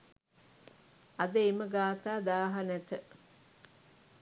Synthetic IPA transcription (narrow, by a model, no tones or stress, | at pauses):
ɐd̪əeməɡaːt̪aːd̪aːɦɐnɛt̪ə